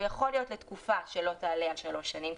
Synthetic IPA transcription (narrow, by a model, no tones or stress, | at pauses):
jaχo̞lijo̞t̪let̪kufaʃelo̞t̪aːlealʃalo̞ʃːanim